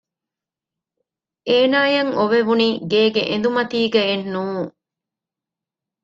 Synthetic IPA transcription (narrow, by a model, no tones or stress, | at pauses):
eːnaːjɐŋoʋeʋuniːɡeːɡeʔend̪umɐt̪iːɡɐenːuː